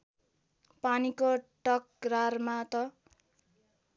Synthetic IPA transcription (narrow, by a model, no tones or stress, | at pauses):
panikoʈʌk̚rarmat̪ʌ